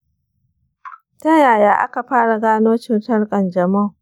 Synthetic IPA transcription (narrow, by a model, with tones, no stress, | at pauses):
tɐ˦jaː˨jaː˦ʔa̰˦ka˨ɸaː˦ɽa˨ɡaː˦noː˦t͡ʃɪ˦nsɐ˦rkʼɐ˨nd͡ʒɐ˨mɐ˦˨ŋ